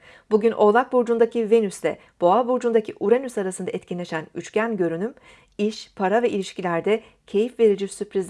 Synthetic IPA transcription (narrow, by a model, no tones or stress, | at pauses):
buɟynʔo̞lˠak̚buɾd͡ʒund̪acive̞nyslʲɛ | b̥o̞abuɾd͡ʒund̪acʰiʔuɾenysaɾasɯnd̪aɛt̪cʰinlʲe̞ʃænyt͡ʃcænɟø̞ɾynym | iʃpʰaɾavɛilʲiʃcilʲæɾd̪ɛ | cʰe̞jifve̞ɾid͡ʒisypɾʲiz